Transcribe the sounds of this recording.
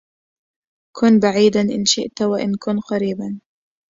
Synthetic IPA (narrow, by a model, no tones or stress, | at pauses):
kʊnbaʕiːd̪anʔɪnʃɪʔt̪waʔɪnkʊnqɑɾiːban